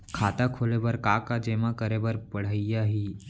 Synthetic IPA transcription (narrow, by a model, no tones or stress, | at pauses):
kʰaːt̪akʰoːlebəɾkaːkad͡ʒeːmakəɾebəɾpəɽ̤əɪjaɦiː